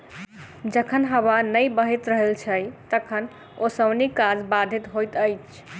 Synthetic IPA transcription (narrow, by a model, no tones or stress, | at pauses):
d͡ʒəkʰənɦəwanəjbəɦit̪ɾəɦəlt͡ʃʰəjt̪əkʰən | osəbnikad͡ʒbad̪ʱit̪ɦojt̪əjt͡ʃʰ